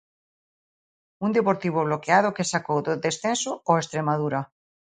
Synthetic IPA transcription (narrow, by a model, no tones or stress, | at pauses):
und̪epoɾt̪iβ̞oβ̞lokeaðokesakowðoðesθensooest̪ɾemað̞uɾa